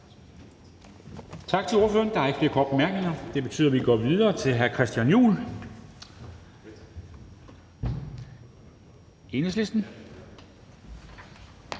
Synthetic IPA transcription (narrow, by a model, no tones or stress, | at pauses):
t͡sʰɑ̈ɡ̥̚t͡sʰe̝lo̝ɐføːɐnd̥ɑ̈ɐɪɡ̥fle̝ːɐkʰɒ̰ːd̥̚b̥emæɐɡ̥ne̝ŋɐd̥e̝b̥e̝t͡sʰy̰ːð̰ˠɐʋiɡ̥ɒ̰ːʋiðˠɐːt͡sʰe̝lɦæɐkʰʁɛsd̥jænjṵːl | e̝nəsle̝sd̥n̩